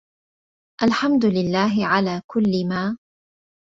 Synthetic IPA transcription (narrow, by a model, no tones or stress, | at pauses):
ʔalħamd̪ʊlɪlːaːɦɪʕalaːkʊlːɪmaː